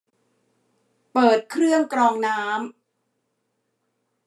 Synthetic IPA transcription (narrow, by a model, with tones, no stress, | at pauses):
pɤː˨˩t̪̚kʰɾɯ˥˩əŋkɾɔː˧ŋnaː˦˥m